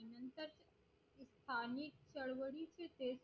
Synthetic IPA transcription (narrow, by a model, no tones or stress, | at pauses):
nənt̪əɾ | st̪ʰaːnik̚t͡ʃəɭʋəɽit͡ʃʰet̪eːs